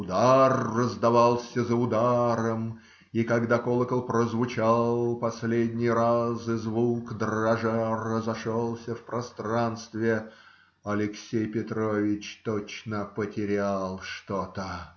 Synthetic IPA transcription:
ʊd̪arːəzd̪ɐvalˠsʲəzəʊd̪aɾəm | ikɐɡd̪akolˠəkəlˠpɾəzvʊt͡ɕalˠpɐsʲlʲedʲnʲɪjɾazɨzvukd̪rɐʐarəzɐʂolˠsʲəfpɾɐst̪ɾanst̪vʲɪ | ɐlʲɪksʲejpʲɪt̪ɾovʲɪt͡ɕt̪ot͡ɕnəpətʲɪɾʲalˠʂt̪ot̪ə

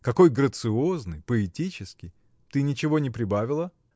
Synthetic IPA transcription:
kɐko̞jɡɾət̪sɨo̞znɨjpəɪtʲit͡ɕɪskʲɪj | t̪ɨnʲɪt͡ɕɪvo̞nʲɪpɾʲɪbavʲɪlˠə

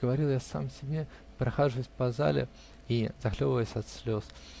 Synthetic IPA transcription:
ɡəvɐɾʲilˠjasa̰msʲɪbʲe | pɾɐxaʐɨvʊsʲpɐza̰lʲɪ̰ | izɐxlʲovəvəjɪsʲɐt̪sʲlʲo̞s

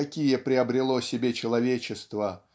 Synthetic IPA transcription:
ɐkʲijəpɾʲɪɐbɾʲɪlˠosʲɪbʲet͡ɕɪlˠɐvʲet͡ɕɪst̪və

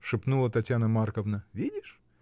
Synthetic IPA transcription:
ʂɨpnulˠət̪ɐtʲjanəmarkəvnəvʲidʲɪʂ

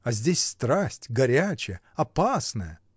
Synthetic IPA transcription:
ɐzʲdʲesʲst̪ɾasʲtʲɡɐɾʲæt͡ɕɪjə | ɐpasnəjə

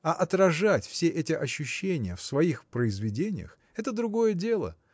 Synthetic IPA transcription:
ɐʔɐt̪ɾɐʐatʲfsʲeʔɛtʲɪʔɐɕːʊɕːenʲɪjəfsvɐixpɾəɪzvʲɪdʲenʲɪ̰jə̰x | ɛt̪əd̪ɾʊɡo̞jədʲe̞lˠə̰

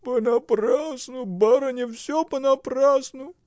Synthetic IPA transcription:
pənɐprasnʊbaɾənʲɪfsʲopənɐprasnʊ

